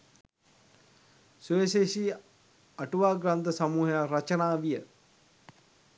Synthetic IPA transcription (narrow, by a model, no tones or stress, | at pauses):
suʋeseʃi | aʈuʋaːɡɾant̪əsamuːɦəjarat͡ʃənaːʋijə